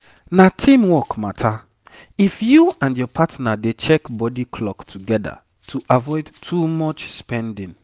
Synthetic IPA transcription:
natʰĩmwɔkmatʰa | ifjuãndjɔpʰatnadet͡ʃɛkbɔdikʰlɔktʰuɡɛda̰ | tʰuʔavɔɪdtʰumɔt͡ʃspɛ̃ndĩn

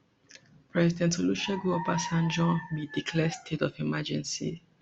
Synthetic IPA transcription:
pɹɛzidɛ̃ntoluʃɛɡuɔpasãnd͡ʒɔ̃midikʰlɛstʰetɔfimad͡ʒɛ̃nsḭ

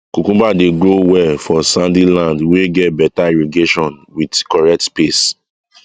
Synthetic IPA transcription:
kukũbadeɡɾowɛfɔsãndilãndweɡɛt̚bɛtaiɹeɡeʃɔ̃nwidkɔɹɛk̚tpes

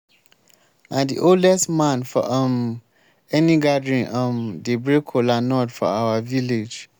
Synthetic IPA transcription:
nãdḭʔoldɛstmãnfɔ̰ʔə̃m | ɛnĩɡadɹĩnʔə̃mdebɹekʰolanɔdfɔ̰awaviled͡ʒ

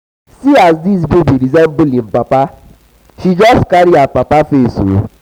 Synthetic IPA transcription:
siazdis̬bubiɾizɛm̩bʊlim̩papa | ʃid͡ʒɔstkaɾiapapafeso̰

